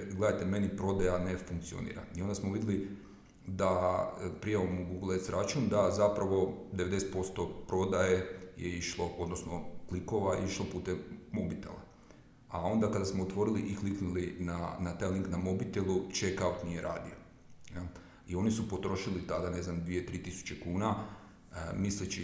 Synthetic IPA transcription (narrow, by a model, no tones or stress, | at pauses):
ɡle̞d̪ajt̪eme̞nipɾo̞d̪ajanefuŋk̚t̪sio̰nḭːɾa̰io̞nd̪asmoʋid̪ili | d̪apɾijaʋomuɡuɡlˠesɾat͡ʃund̪azapɾaʋo̞d̪e̞ʋed̪e̞se̥t̪po̞st̪o̞pɾo̞d̪ajejeiʃlˠoʔo̞d̪nosnokliko̞ʋajeiʃlˠopuːt̪emobit̪ḛlˠa̰ | ao̞nd̪akad̪asmoːt̪ʋo̞ɾiliʔikliknulinanat̪ajliŋknamobit̪elˠut͡ʃekaut̪nije̞ɾʔa̰ːd̪io | nel | io̞nisupo̞t̪ɾo̞ʃilit̪ad̪ane̞znamd̪ʋije̞t̪ɾiːt̪isu̥t͡ɕe̞kuːna | mislit͡ʃi